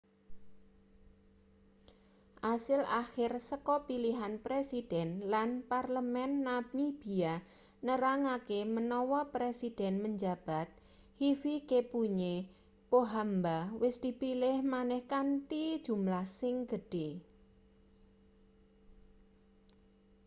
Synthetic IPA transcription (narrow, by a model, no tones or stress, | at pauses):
ʔasɪlaxɪrsəkɔpiliɦanpɾesid̥ɛnlanparləmɛnːap̚ɲib̥ia | nəɾaŋakemənɔwɔpɾesid̥ɛnməɲd͡ʒab̥a̤t̪̚ | hifikepuɲe | poɦambawɪsd̪̥ipilɪhmanɛhkanʈid̥ʒ̥umlahsɪŋɡ̥əɖ̥e